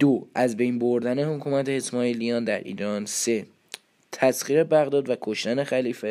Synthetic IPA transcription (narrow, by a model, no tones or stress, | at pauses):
d̪̥oæzbe̞jnboɾd̪æne̞hokʰuːmæt̪ʰehesmɒːilijɒːnd̪æɾʔḭːɾɒnse̞ | t̪ʰæsχiːɾe̞bæɣd̪ɒːd̪vækʰoʃt̪æne̞xæliːfe